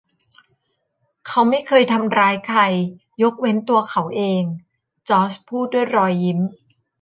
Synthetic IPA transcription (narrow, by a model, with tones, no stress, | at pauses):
kʰa˦˥wma˥˩jkʰɤː˧jt̪ʰa˧mɾaː˦˥jkʰa˧jː | o˦˥k̚we˦˥nt̪u˧ɐkʰa˨˦wʔeː˧ŋ | t͡ɕɔː˦˥spʰuː˥˩t̪̚du˥˩əjɾɔː˧jːi˦˥m